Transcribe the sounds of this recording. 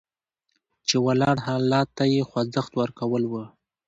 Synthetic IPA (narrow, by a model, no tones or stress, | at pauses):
t͡ʃewalɑɽhɑlɑt̪ːajexwazəxt̪wəɾkawəlwə